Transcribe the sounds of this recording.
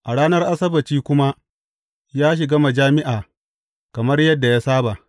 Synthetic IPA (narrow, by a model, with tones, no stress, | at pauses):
ʔa˨ɽaː˦nɐ˦rʔa˦sɐ˦bɐ˨t͡ʃiː˦kʷʊ˦ma˦ | jaː˦ʃ̬ɪ˨ɡa˦mɐ˨d͡ʒaː˦mɪ˦ʔaː˨ | kɐ˨mɐ˦rjɐ˦dːa˨jaː˦saː˦ba˨ʔ